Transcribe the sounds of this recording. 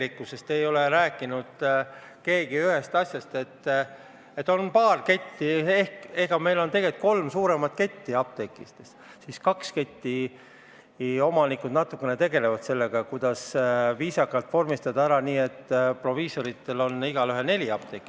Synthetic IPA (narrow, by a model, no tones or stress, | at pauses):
likːˑusest̪e̞jo̞leɾæːkːˑinud̪̥ | ke̞ːɡiyɦe̞st̪ɑsʲjɑst̪e̞t̪ː | e̞t̪ːˑo̞npɑːrke̞t̪ʲːie̞hkeɡ̥ɑme̞jlo̞nt̪e̞ɡet̪̚ko̞lmsuːɾe̞mɑt̪̚ke̞t̪ʲːiɑb̥̚t̪e̞kːˑist̪es | siskɑkske̞t̪ʲːi | o̞mɑnikːˑud̪nɑt̪ːˑukˑːe̞ne̞t̪e̞ɡe̞levɑd̪̥se̞lːe̞ɡ̥ɑkud̪̥ɑsviːsɑkːˑɑlt̪ːˑfo̞rmist̪ɑd̪ɑæɾɑniːe̞t̪ːpro̞viːso̞ɾit̪ːe̞lo̞nːiɡ̥ɑlyɦene̞lʲiɑb̥̚t̪ekːˑi